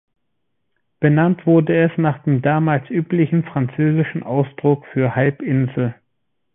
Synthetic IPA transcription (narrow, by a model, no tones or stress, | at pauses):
b̥ənantv̥ʊɐdəɛsnaːχd̥eːmdaːmaːlsʔyːplɪçn̩fʁ̥ant͡søːzɪʃn̩ʔaʊsd̥ʁʊkfyːɐhalpʔɪnzl̩